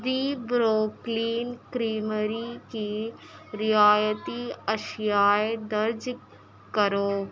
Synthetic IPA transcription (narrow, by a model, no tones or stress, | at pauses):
d̪ibɾoːkliːnkɾiːməɾikiɾɪjaːjət̪iɐʃjaːjd̪ɐɾd͡ʒ | kəɾoː